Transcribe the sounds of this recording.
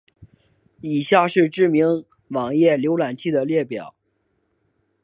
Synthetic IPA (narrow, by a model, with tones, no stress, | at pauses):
i˨˩ɕja˥˧ʂɻ̩˥˧ʈ͡ʂɻ̩˥˩mi˧˥ŋ | wɑ˨˩ŋjɛ˥˩ljo˧˥ʊla˨˩nt͡ɕʰi˥˩d̪ə˩ljɛ˥˩pjɑ˨˩˦ʊ